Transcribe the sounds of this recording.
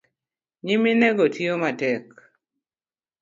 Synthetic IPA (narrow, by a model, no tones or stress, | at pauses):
ɲiminɛɡotʰiomatɛk